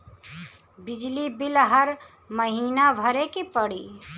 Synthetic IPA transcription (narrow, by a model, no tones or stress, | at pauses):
bid͡ʒlibilɦəɾ | məɦinabʱəɾekipəɽi